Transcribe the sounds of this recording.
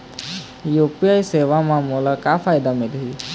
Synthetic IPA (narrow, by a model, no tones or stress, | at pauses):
jopijajseʋamãmolakafajd̪amelɦi